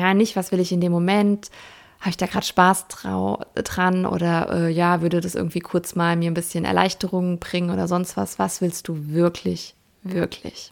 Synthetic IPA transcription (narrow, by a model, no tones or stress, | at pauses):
jaːnːɪçtv̥asv̥ɪlɪçɪndeːmːomɛnt | haːbəɪçd̥aːɡʁaːdəʃpaːsʁ̰dʁanʔo̰ːdɐʔɛ̰ːjaːvʏɐdədasʔɪ̰ɐɡŋ̩tv̥iːkʰʊɐt͡smaːlmiːɐnbɪsçənʔɛ̰ɐlʔa̰ɪçtəʁʊŋəbʁɪŋənʔoːdɐzɔnstv̥a̰sv̥asv̥ɪlst̚d̥uːvɪɐkʰlɪç | vɪɐkʰlɪ̰ç